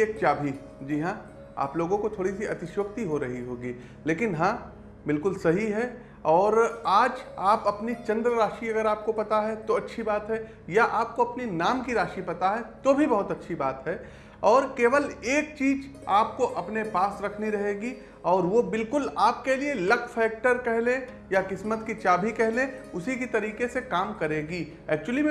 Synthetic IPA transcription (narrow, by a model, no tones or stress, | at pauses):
eːk̚t͡ʃaːbʱi | d͡ʒiːɦãː | a̰ːploːɡõkot̪ʰoːɽisiɐt̪ɪʃwək̚t̪iɦoɾɐɦiɦoːɡiː | leːkɪnɦãː | bɪlkʊlsɐɦiɦɛ | ɔːɾaːd͡ʒaːpɐpnit͡ʃɐ̃nd̪ɾəɾaːʃiɐɡəɾaːp̚kopɐt̪aɦɛt̪oɐtːʃʰibaːt̪ɦɛ | jaʔaːp̚koɐpninaːmkiɾaːʃipɐt̪aɦɛt̪obʱibɐɦʊt̪ɐtːʃʰiba̰ːt̪ɦɛː | ɔːɾkeːʋəleːk̚t͡ʃiːd͡ʒaːp̚koʔɐpnepaːsɾɐkʰniɾɐɦeːɡi | ɔːɾʋobɪlkʊlaːp̚kelielɐkʰfʰɛːk̚ʈəɾkɛɦlẽ | jakɪsmət̪kit͡ʃaːbʱikɛɦlẽʊsikit̪ɐɾiːkesekaːmkɐɾeːɡi | ɛːk̚t͡ʃwəlimẽ